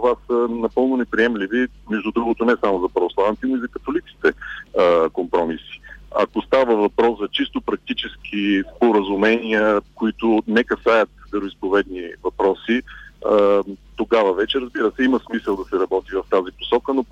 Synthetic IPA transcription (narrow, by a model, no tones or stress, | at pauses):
t̪ovasənɐpɤlˠnonɛpɾiɛmlivi | mɛʒd̪ud̪ɾuɡot̪onɛsamozɐpɾɐvoslˠant̪inoizɐkɐt̪olit̪si̥t̪ɛ | kompɾɔmisi̥ɐ̰kost̪avəvɐpɾɔszɐt͡ʃist̪opɾɐk̚t̪it͡ʃɛsk̟ʰispoɾəzumɛniəkoit̪ʊnɛkɐsajət̪d̪ɛɾoispovɛd̪nivɐpɾɔsi | t̪oɡavəvɛt͡ʃɛɾəzbiɾəsɛiməsmisəlˠd̪ɐsɛɾɐbɔt̪ivɐft̪aziposɔkəno